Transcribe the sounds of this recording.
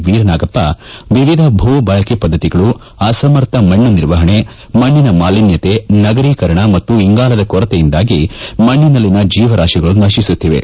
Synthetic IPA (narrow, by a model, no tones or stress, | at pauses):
ʋiːɾɐnaːɡɐpːɐʋiʋid̪ʱɐbʱuːbaːɭɐkepɐd̪ʱːɐt̪iɡɐɭu | asɐmɐɾt̪ʰɐmɐɳːuniɾʋɐɦɐɳe | mɐɳːinɐmaːlinjɐt̪enɐɡɐɾiːkɐɾɐɳɐmɐt̪ːuiŋɡaːlɐd̪ɐkɔɾɐt̪ejind̪aːɡimɐɳːinɐlːinɐd͡ʒiːʋɐɾaːʃiɡɐɭunɐʃisut̪ːiʋe̞̰